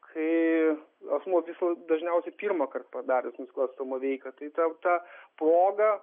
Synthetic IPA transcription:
kʰɐɪ | ɐsmuːʋʲɪsd̪ɐʒʲnʲɛʊsʲɛɪpʲiːrmɐkɐrt̪pɐd̪ɑːɾʲɛsnʊsʲklˠɐsɐmɐʋʲɛɪkɐt̪ɐɪt̪ɐt̪ɑproːɡɐ

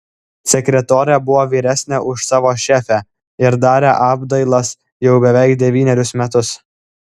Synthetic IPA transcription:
sʲɛkʲɾʲɛt̪oːɾʲɛbʊʋoːʋʲiːɾʲæsʲnʲɛʔʊʃsɑːʋoːʃʲæːfʲæ | ɪɾd̪ɑːɾʲeʔɑːbd̪ɐɪlˠɐs | jɛʊbʲɛʋʲɛˑɪkd̪ʲɛʋʲiːnʲɛɾʲʊsmʲɛt̪ʊs

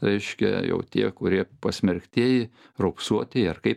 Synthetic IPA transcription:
ɾʲɛɪʃʲkʲɛ̰jɛ̰ʊt̪ʲiɛkʊɾʲiɛpɐsʲmʲɛɾʲkt̪ʲeːjɪ | roːpsuɔt̪ʲeɐrkɐɪp

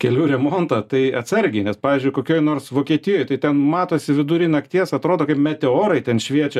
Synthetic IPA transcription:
kʲɛlʲuːɾʲɛmoːnt̪ɐt̪ɐɪɐsɐɾʲɡʲɪnʲɛspɑːʋʲiːzʲd͡ʒʲʊɪkoːkʲoːjnoːrsʋoːkʲiɛt̪ʲɪjoːjt̪ɐɪt̪ʲɛnmɑːt̪oːsʲɪʋʲɪd̪ʊɾʲɪnɐkt̪ʲiɛsɐt̪ɾoːd̪oːkɐɪpmʲɛt̪ʲɛoːɾɐɪt̪ʲɛnʃʲʋʲiɛt͡ʃʲɛ

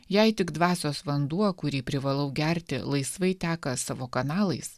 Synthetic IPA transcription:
jɛɪt̪ʲɪɡd̪ʋɑːsʲoːsʋɐnd̪uɔkʊɾʲiːpʲɾʲɪʋɐlˠɐʊɡʲɛɾʲt̪ʲɪ̰lˠɐɪsʋɐɪt̪ʲæːkɐsɑːʋoːkɐnɑːlˠɐɪs

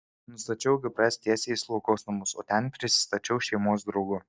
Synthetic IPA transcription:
nʊst̪ɐt͡ʃʲɛʊɡʲɪpʲɾʲɛsʲt̪ʲiɛsʲeːslˠɔʊkoːsnɐmʊso̰ːt̪ʲɛnpʲɾʲɪsʲɪ̥st̪ɐt͡ʃʲɛʊʃʲɛɪmoːs̬d̪ɾɒʊɡʊ

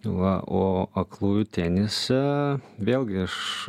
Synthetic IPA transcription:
ʋɐ̰ʔoːɐklˠuːjʊt̪ʲænʲɪsʲɛʋʲeːlʲɡʲɪɐʃ

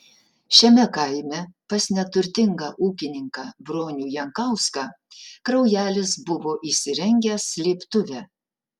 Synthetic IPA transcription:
ʃʲɛmʲɛkɐɪmʲɛpɐsnʲɛt̪ʊɾʲt̪ʲɪŋɡɑːʔuːkʲɪnʲɪŋkɑːbɾoːnʲuːjɛŋkɐˑʊskɑ | kɾɐʊjæːlʲɪsbʊʋoːʔisʲɪɾʲɛŋʲɡʲɛslʲeːpt̪ʊʋʲæ

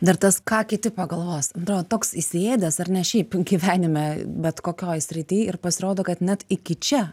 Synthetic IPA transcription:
d̪ɐrt̪ɐskɑːkʲɪt̪ʲɪpɐɡɐlˠʋoːsɐnt̪ɾoːd̪ot̪oːksɪsʲeːd̪ʲɛsɐrnʲɛʃʲɛɪpɡʲiːʋʲæːnʲɪmʲɛbʲɛt̪koːkʲoːjsʲɾʲɪt̪ʲɪjɪrpɐsʲɪɾoːd̪oːkɐt̪nʲɛt̪ɪkʲɪt͡ʃʲɛ

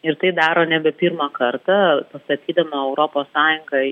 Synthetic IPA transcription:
ɪɾt̪ɐɪd̪ɑːɾoːnʲɛbʲɛpʲiɾmɐkɐɾt̪ɐpɐst̪ɐt̪ʲiːd̪ɐmɐɛʊɾoːpoːssɑːjʊŋɡɐ

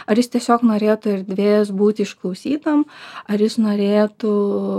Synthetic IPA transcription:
ɐɾjɪst̪ʲiɛsʲoːknoːɾʲeːt̪ʊɪɾʲd̪ʲʋʲeːjɛsbuːt̪ʲɪɪʃklˠɐʊsʲiːt̪ɐmɐrjɪsnoːɾʲeːt̪ʊ

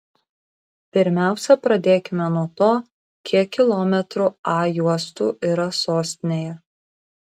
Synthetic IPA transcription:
pʲɪɾʲmʲæˑʊsʲɛpɾɐd̪ʲeːkʲɪmʲɛnuɔt̪oː | kʲʰiɛkkʲɪlˠɔːmʲɛt̪ɾuɑːjuɔst̪uːʔiːɾɐsoːsʲt̪ʲɪnʲeːjɛ

